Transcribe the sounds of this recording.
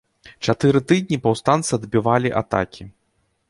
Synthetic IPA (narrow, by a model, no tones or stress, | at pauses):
t͡ʂat̪ɨɾɨt̪ɨd̪̚ʲnʲipawst̪ant̪sɨɐd̪bʲivalʲiʔa̰t̪a̰kʲʰi